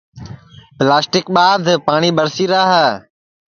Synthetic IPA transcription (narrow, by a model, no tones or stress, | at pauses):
plaːsʈɪk̚ɓaːd̪ʱpaːɳiːbəɾsiːɾaːɦə